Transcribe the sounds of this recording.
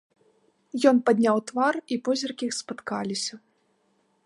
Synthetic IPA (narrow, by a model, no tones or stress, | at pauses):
jɔnpad̪ʲnʲawt̪varipɔzʲɐrkʲiixspat̪kalʲisʲɐ